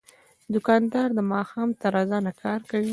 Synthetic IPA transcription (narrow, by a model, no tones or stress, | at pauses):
d̪ʊkɑnd̪ɑɾd̪əmɑxɑmt̪aɾɑzɑnakʰɑɾkawi